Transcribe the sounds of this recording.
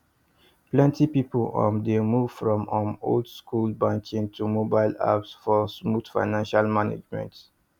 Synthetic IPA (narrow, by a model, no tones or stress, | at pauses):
plɛ̃ntʰipiplɔ̰̃ndemuv̥fɹɔ̃mə̃mo̰ldskulbãŋkʰĩŋtʰumobaɪla̰psfɔsmutfa̰ɪnãnʃalmanḛd͡ʒmɛ̰̃nt